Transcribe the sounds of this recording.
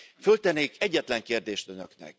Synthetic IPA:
følt̪ɛnːeːkʰɛɟːɛt̪lɛŋkeːrd̪eːʃt̪ø̞nø̰knɛ̰k̚

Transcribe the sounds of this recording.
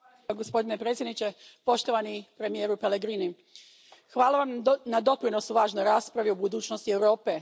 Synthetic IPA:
ɡospo̞d̪ine̞pɾet̪sʲjed̪nit͡ɕe̞po̞ʃt̪o̞ʋanipɾe̞mijeːɾupe̞le̞ɡɾiːni | xʋaːlaʋamnad̪o̞pɾino̞suʋaːʒnojɾaːspɾaʋiubud̪uːt͡ɕno̞st̪ie̞wɾo̞ːpe

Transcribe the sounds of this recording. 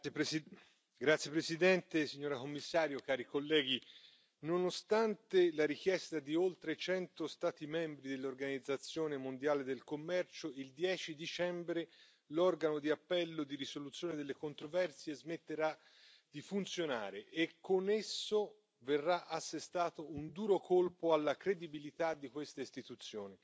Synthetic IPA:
ɡɾat̪sːjepɾesid̪ɛnt̪esiɲːoːɾakomːisːaːɾjokaːɾikolːɛːɡi | nonost̪ant̪elaɾik̟jɛst̪ad̪iolt̪ɾet͡ʃɛnt̪ost̪aːt̪imɛmbɾid̪elːorɡanid̪zːat̪sːjoːnemond̪jaːled̪elkomːɛrt͡ʃoild̪jɛːt͡ʃid̪it͡ʃɛmbɾe | lɔrɡanod̪iapːɛlːod̪iɾisolut̪sːjoːned̪elːekont̪ɾovɛrsiezmet̪ːeɾa | d̪̥ifunt̪sjona̰ːɾeʔekʰːonesːo | verːaʔasːest̪aːt̪ound̪uːɾokʰolpoalːakɾed̪ibilit̪ad̪ːikwest̪aist̪it̪ut̪sːjoːni

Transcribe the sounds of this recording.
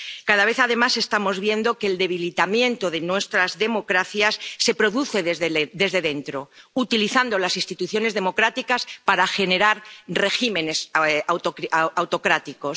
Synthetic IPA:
kaðaβ̞e̞θaðe̞mase̞st̪amo̞zβje̞nd̪o̞keːld̪e̞β̞ilit̪amjẽ̞nt̪o̞ðe̞nwe̞st̪ɾazðe̞mo̞kɾaθjasːe̞pɾo̞ðuθe̞ðd̪e̞zðe̞ðent̪ɾo̞ut̪iliθand̪o̞lasĩnst̪it̪uθjo̞ne̞zðe̞mo̞kɾat̪ikaspaɾaxe̞neɾaɾre̞ximẽ̞ne̞sawt̪oawt̪o̞kɾat̪iko̞

